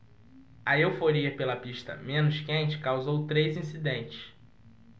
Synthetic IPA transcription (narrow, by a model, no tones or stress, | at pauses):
ɐewfoɾiɐpelɐpiʃt̪ɐ̰mẽnʊʃkẽnt͡ʃɪ̥kawzowt̪ɾejzĩsid̪ẽnt͡ʃɪ̥ʃ